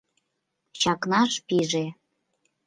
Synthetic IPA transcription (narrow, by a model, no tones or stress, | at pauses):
t͡ɕɑknɑʃpiʒe